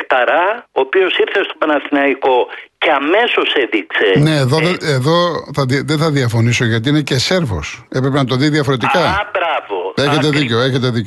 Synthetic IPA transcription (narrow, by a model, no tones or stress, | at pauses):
kt̪ɐɾɐoːpio̞siɾθest̪opɐnɐθinɐiko̞ceɐme̞so̞seðikse̞ne̞ːðoðeeðo̞θɐððeθɐðiɐfo̞niso̞ʝɐt̪iine̞cese̞ɾvo̰sepɾepenɐt̪o̞ðiðiɐfoɾe̞t̪ikɐbɾɐvoeçet̪̬eðiceoe̞çet̪e̞ðico